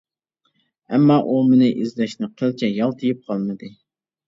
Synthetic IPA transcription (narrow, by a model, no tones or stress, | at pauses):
ɛmːɑʔumɪnɪʔizlɛʃnɪqʰəlt͡ʃʰɛjɑlˠt̪ʰɨjip̚qʰɑlˠmɨd̪ɨ